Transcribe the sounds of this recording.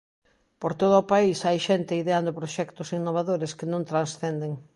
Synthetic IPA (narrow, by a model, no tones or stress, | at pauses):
poɾt̪oð̞ʊːpaisajʃent̪eiðeand̪ʊpɾoʃɛkt̪ʊsinːoβ̞aðoɾeskɪnõŋt̪ɾansθend̪eŋ